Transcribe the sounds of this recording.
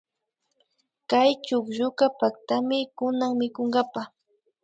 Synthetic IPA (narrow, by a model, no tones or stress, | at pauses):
kajt͡ʃʊkʒʊkapak̚t̪amɪkʊnaŋmɪkoŋɢapa